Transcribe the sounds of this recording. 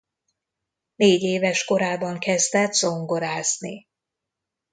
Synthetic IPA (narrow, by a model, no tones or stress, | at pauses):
neːɟeːvɛʃko̞ɾaːbɒŋkɛzd̪ɛt̪so̞ŋɡo̞ɾaːzni